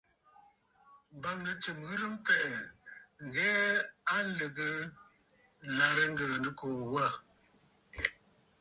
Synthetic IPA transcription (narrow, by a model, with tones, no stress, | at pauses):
m˨ba˨ŋnə˨t͡ʃɨ˨mɣɨ˦lə˦m˦pɛ˦ʔɛ˨ | ɣɛ˦a˦lə˨ɣə˦ | la˨ɾə˦ŋ̩˦ɡə˨nə˨ko˨wa˦˨